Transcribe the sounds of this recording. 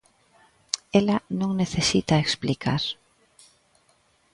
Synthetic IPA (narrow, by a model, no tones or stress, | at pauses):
elɐnõŋneθesit̪aeksplikʰaɾ